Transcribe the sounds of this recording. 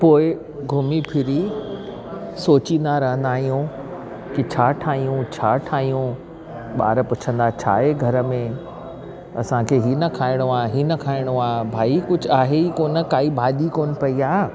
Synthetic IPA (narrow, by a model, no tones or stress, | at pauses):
poːɪ | ɡʱʊmipʰɪɾi | soːt͡ɕĩnd̪aɾɐɦə̃nd̪aːɦijũ | kit͡ɕʰaːʈʰaːɦijũt͡ɕʰaːʈʰaːɦijũ | ɓa̰ːɾpʊt͡ɕʰə̃nd̪at͡ɕʰa̰ːɦeɡʱɐɾə̆mẽ | ɐsãkʰeɦiːnɐkʰaːɪɽ̃oaːɦiːnɐkʰaːɪɽ̃oaːbʱaːikʊd͡ʑʱʊaːɦeikoːnə̆kaːibʱaːʄikoːnɪ̆pɐiaː